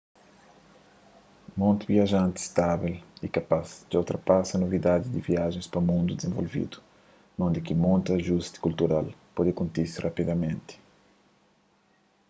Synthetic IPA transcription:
mõnt̪iviaʒãnt̪i̥st̪aβilikapazd͡ʒiawt̪ɾapasɐnovid̪ad̪id̪iviaʒẽspɾɐmũnd̪ud̪ezẽvo̰lvḭd̪u̥ | nõnd̪ikimõnt̪aʒust̪i̥kult̪uɾalpɔd̪ɪkõnt̪iɾsirʔapid̪amẽnt̪ɪ̥

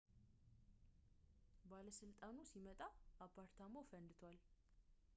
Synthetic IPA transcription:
baləsɨlt̪ʼanusimət̪ʼaʔːpʰːaɾt̪ʰamowfənd̪ɨt̪ʰwal

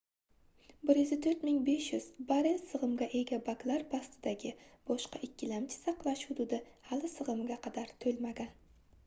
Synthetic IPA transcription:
bɪɾjɪzɪt̪ʰɵɾt̪mɪŋbe̞ʃjʊz̥baɾɪnsɨʁɨmɡʲaʔe̞ɡʲabaklˠaɾpʰast̪ʰɪd̪aɡʲɪb̥ɒʃqɑʔɪkʲːɪlamt͡ʃʰɪ̥sɑqlˠaʃhʊd̪ʊd̪ɪhalɪsɨʁɨmɡʲaqʰɑd̪aɾt̪ʰɵlmaɡʲan

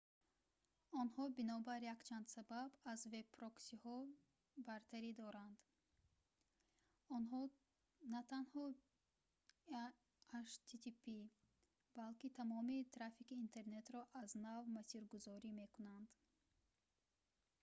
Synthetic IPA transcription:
ɔnhɔbinɔbaɾjakt͡ʃʰand̪sababazve̞bpʰɾɔksihɔ | baɾt̪ʰaɾid̪ɔɾand̪ | ɔnɦɔ | nat̪ʰanhɔ | aʃt̪ʰit̪ʰipi | balkit̪ʰamɔmit̪ʰɾafikiːnt̪ʰe̞ɾne̞t̪ɾɔʔaznavmasiɾɡuzɔɾime̞kunand̪

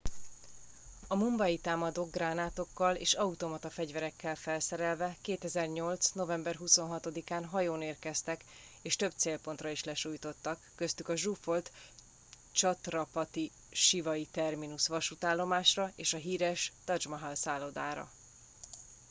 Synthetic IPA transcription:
ɒmumbɒjit̪aːmɒd̪oɡɡraːnaːt̪o̞kːɒlḛːʃɒut̪o̞mɒt̪ɒfɛɟvɛɾɛkːɛlfɛlsɛɾɛlvɛkeːt̪ɛzɛrɲo̞lt̪sno̞vɛmbɛrɦuso̞nɦɒt̪o̞d̪ikaːnɦɒjoːneːrkɛst̪ɛk | eːʃt̪ø̞b̚t̪seːlpo̞nt̪rɒiʃlɛʃuːjt̪o̞t̪ːɒkːø̞st̪ykɒʒufo̞lt̪ | t͡ʃɒt̪rɒpɒt̪i | ʃivɒit̪ɛrminusʋɒʃut̪aːlːo̞maːʃrɒeːʃɒɦiːɾɛʃt̪ɒd͡ʒmɒɦɒlsaːlod̪aːɾɒ̰

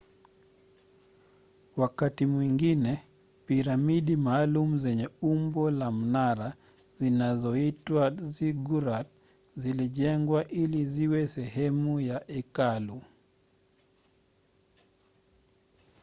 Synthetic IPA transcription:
wakatimwiŋɡinɛ | piɾamiɗimaːlumuzɛɲɛumbɔlam̩naɾa | zinazɔitwaziɡuɾat̚ | ziliʄɛŋɡwaʔiliziwɛsɛɦɛmujaʔɛkalu

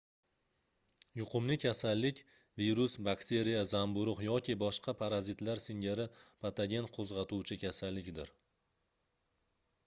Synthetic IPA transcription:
jʊqʰʊmlɪkʲʰasalːɪkʲviɾʊsbakt̪ʰe̞ɾijazambʊɾʊqjɒkʲɪbɒʃqʰɑpʰaɾazɪt̪laɾsɪŋɡʲaɾɪpʰat̪ʰaɡʲe̞nqʰozʁɑt̪uwt͡ʃʰɪkʲasalːɪkʲd̪ɪɾ

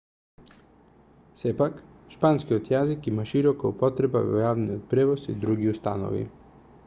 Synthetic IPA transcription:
sɛpak | ʃpanskiɔt̪jazikimaʃiɾɔkaupɔt̪ɾɛbavɔ̰javnijɔt̪̚pɾɛvɔsḭd̪ɾuɡiust̪a̰no̰vḭ

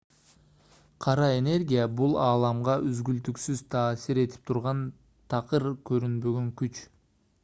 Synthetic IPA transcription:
qʰɑɾɑe̞ne̞ɾɡʲijabulˠɑːlˠɑmʁɑʔyzɡylt̪yksyz̥t̪ʰɑːsiɾe̞t̪ʰi̥p̚t̪ʰuɾʁɑn | t̪ʰɑqɯɾkø̞ɾynbø̞ɡø̞ŋkyt͡ʃ

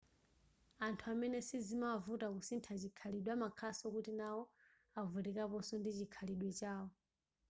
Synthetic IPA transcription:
antʰuamɛnɛsizimavutakusintʰat͡ʃikʰaliɗwamakʰasɔkutinawɔ | avuɾikapɔsɔndit͡ʃikʰaliɗwɛt͡ʃaːwɔ

